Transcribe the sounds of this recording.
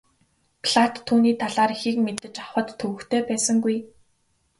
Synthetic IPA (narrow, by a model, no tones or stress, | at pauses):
pʰɮat̪ʰːuːniːt̪ʰaɮaːrxik̚met̪ɘ̆t͡ɕaχwə̆t̪ʰːɵɣɵ̆xt̪ʰeːpæːsə̆ŋɡuj